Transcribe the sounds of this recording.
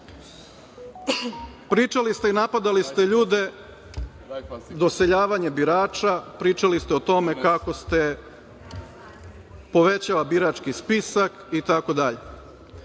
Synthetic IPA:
pɾiːt͡ʂalist̪e̞inapad̪alist̪e̞ʎuːd̪e̞ | d̪o̞seʎaːʋaɲebiɾaːt͡ʃapɾiːt͡ʃalist̪eot̪o̞mekako̞st̪e̞ | po̞ʋe̞t͡ɕalabiɾat͡ʃkispisak | it̪ako̞d̪aʎe

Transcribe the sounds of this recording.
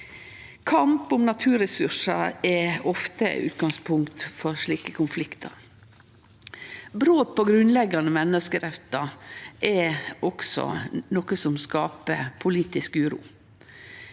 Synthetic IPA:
kʰɑmpʊmnɑt̪ʰʉːɾɛsʉʂɑɛɔft̪ə̰ʉ̰ːt̪ɡɑŋspʰʊŋkt̪fɔɾʂɭiːkəkʰʊnflɪkt̪ʰɑ̰ɾ | bɾoːt̪̚pʰɔɡɾʉnlɛɡɑnəmɛnəskəɾɛft̪ɑʔɛɔksɔ̰nɔkəsɔmskɑːpəpʰʊliːt̪ɪskʉːɾṵː

